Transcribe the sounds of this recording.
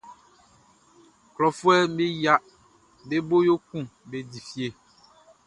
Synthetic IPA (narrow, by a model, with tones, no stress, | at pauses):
klɔ˨fu˦ɛ˦me˦ja˦ʔ | be˦bo˦jo˦kũ˦be˨di˨fi˨˦e˨